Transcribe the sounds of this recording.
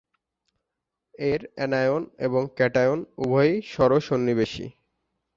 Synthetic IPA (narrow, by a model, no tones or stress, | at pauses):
eɾɛnajonḛboŋkɛʈajonubʱɔiʃɔɾoʃonːibeʃḭ